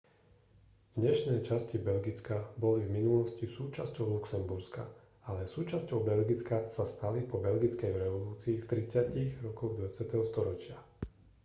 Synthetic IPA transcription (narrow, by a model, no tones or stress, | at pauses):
vɲɛʃnɛjt͡ʃascibɛlɡit͡skabɔlivminulɔscisuːt͡ʃascɔʊluksɛmbuɾska̰ | alɛsuːt͡ʃascɔʊbɛlɡit͡skasast̪alipɔbɛlɡit͡skɛjɾɛʋɔluːt͡siːft̪ɾit͡sɪaciɣɾɔkɔɣd̪ʋat͡sɪat̪ɛɦɔst̪ɔɾɔt͡ʃɪa